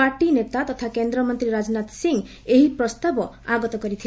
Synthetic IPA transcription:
aɾʈinet̪at̪ɔt̪ʰakend̪ɾɔmɔnt̪ɾiɾad͡ʒnat̪siŋ | eɦipɾɔst̪abɔ | aɡɔt̪ɔkɔɾit̪ʰi

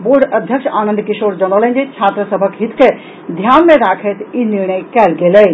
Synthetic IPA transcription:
boːɾɖəd̪ʱjəkʃaːnə̃nd̪kɪʃoːɾd͡ʒənələ̃nd͡ʒet͡ʃʰaːt̪ɾəsəbʱəkɦit̪ʰke | d̪ʱjaːnmẽɾaːkʰet̪iniɾɳ̃əjkɛlɡelɛ

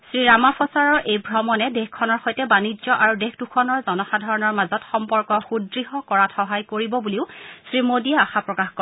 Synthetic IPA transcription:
sɹiɹamapʰɔsaɹɔɹʔejbʱɹɔmɔnɛdexkʰɔnɔɹxojtɛbanizɔʔaɹudexdukʰɔnɔɹzɔnɔxadʱaɹɔnɔɹmazɔtxɔmpɔɹkɔxudɹiɦɔkɔɹatʰxɔɦajkoɹibɔbuliʊsɹimodiaaxapɹɔkaxkɔ

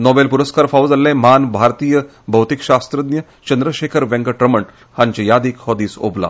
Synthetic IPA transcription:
nɔbelpuɾəskaɾfawd͡zalːẽmanbʱaɾt̪iːjə | bʱɐwt̪ikɕast̪ɾəd̪njə | t͡ɕənd̪ɾəɕekʰəɾʋɛ̃ŋɡəʈɾəməɳ | hãɲt͡ɕejad̪iːkhɔd̪iːso̰bla̰

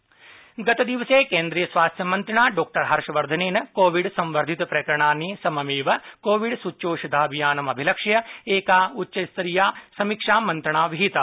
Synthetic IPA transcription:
ɡɐt̪ɐd̪iʋɐseːkeːnd̪ɾijɐsʋaːst̪ʰjɐmɐnt̪ɾɐɳaːɖoːk̚ʈɐɾɦɐɾʃɐʋɐɾd̪ʱɐneːnɐkoːʋiɖsɐ̃mʋɐɾd̪ʱit̪ɐpɾɐkɐɾɐɳaːnːiːsɐmɐmiːʋɐkoːʋiɖsut͡ʃoːʃɐd̪ʱaːbʱijaːnɐmɐbʱilɐkʂjɐeːkaːutːʃɐst̪ɐɾijaːsɐmikʂaːmɐnt̪ɾɐɳaːʋiɦit̪ɐ

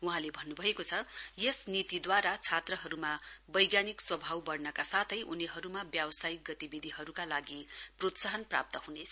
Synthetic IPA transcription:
uɦãlebʱʌnːubʱʌekot͡sʰʌjesnit̪id̪waɾat͡sʰat̪rʌɦʌɾumabʌjɡjanikswʌbʱawbʌrnʌkasat̪ʰʌjʔuniɦʌɾumabjawʌsajik̚ɡʌt̪ibid̪ʱiɦʌɾukalaɡiprot̪saɦʌnpra̰p̚t̪ʌhunet͡sʰʌ̥

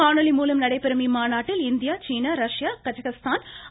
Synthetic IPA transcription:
aːɳɐlimuːlɐmnɐɽɐɪpːɪɾɯmimaːnaːʈːɪlɪnd̪ijaːt͡ʃiːnaɾɐʂjaːkɐd͡ʒɐɣɐst̪ʰaːn

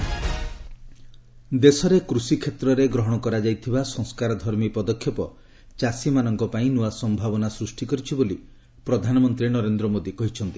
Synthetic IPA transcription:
d̪esɔɾekɾusikʰet̪ɾɔɾeɡɾɔɦɔɽ̃ɔkɔɾad͡ʒajt̪ʰibasɔ̃ŋskaɾɔd̪ʱɔɾmipɔd̪ɔkʰːjɔpɔ | t͡ʃasimanɔŋkɔpaĩnuasɔmbʱabɔnasɾusʈikɔɾit͡ʃʰiboli | pɾɔd̪ʱanɔmɔnt̪ɾinɔɾend̪ɾɔmod̪ikɔɦit͡ʃʰɔnt̪i

